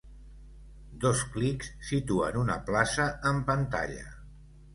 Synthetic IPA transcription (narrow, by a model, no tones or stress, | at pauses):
d̪osklikssit̪uə̰nunə̰plasəəmpənt̪a̰ʎə̰